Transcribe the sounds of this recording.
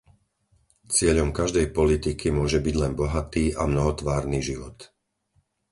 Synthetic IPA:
t͡sɪɛʎɔmkaʒd̪ɛjpɔlit̪ikʰimʊɔʒɛbiɟlɛnbɔɦat̪iːʔamnɔɦɔt̪ʋaːɾniːʒiʋɔt̪

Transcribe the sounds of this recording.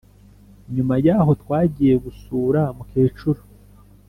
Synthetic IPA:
ɲumajaːɦo̞twaːɟije̞ɡusuːɾamukeːt͡ʃuɾu

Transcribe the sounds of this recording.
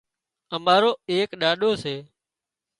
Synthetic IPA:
əmaːɾoːeːkɗaːɗoːseː

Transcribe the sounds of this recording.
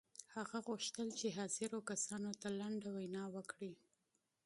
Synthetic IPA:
haɣaɣʊʃt̪əlt͡ʃeɦɑzɪɾokasɑnot̪alaɳɖawajnɑwəkɽi

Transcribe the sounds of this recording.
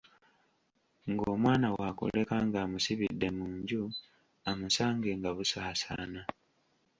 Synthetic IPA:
ŋɡoːmwaːnawakṵlekaŋɡaːmusiβidːe̞muːɲɟu | amusaːŋɡeŋɡaβusaːsa̰ːna

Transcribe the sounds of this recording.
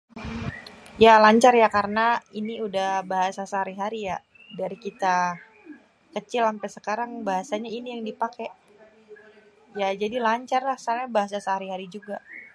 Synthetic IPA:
jalaɲt͡ʃarjakaɾənainiudahbaɦasasəɦaɾiɦaɾija | daɾikit̪a | kət͡ʃɪlampasəkaɾaŋbaɦasaɲainijaŋdipakɛʔ | jad͡ʒadilaɲt͡ʃarlahsaɾɲabaɦasasəɦaɾiɦaɾid͡ʒuɡa

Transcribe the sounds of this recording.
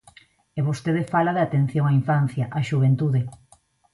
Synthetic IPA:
eβost̪eðefalaðɪat̪en̟θjoŋaiɱfan̟θjɐʔaʃuβ̞ent̪uðe

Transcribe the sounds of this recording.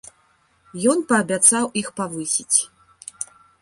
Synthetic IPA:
jɔnpɐːbʲat̪sawixpavɨsʲit͡sʲ

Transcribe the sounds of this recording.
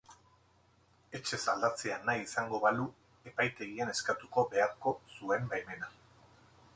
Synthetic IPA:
e̞t͡ʃe̞sald̪at͡se̞anajisaŋɡo̞βalu | e̞pajt̪e̞ɣiene̞skat̪uko̞be̞aɾko̞sue̞mbajme̞na

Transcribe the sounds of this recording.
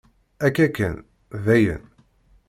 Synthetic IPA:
ækːækːə̰n | væjə̰n

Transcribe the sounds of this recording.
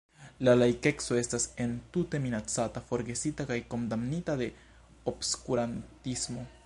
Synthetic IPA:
lalajke̞kso̞e̞stase̞ntute̞minat͡satafo̞ɾɡe̞sitakajko̞ndamnitade̞ | obskuɾantismo̞

